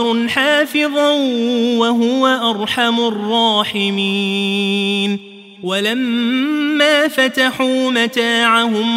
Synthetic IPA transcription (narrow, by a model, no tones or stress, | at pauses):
ɾnħaːfɪðˤɑwaɦʊwaʔɑɾˤħamʊrˤːɑːħɪmiː | n | walamː | aːfat̪aħuːmat̪aːʕaɦʊm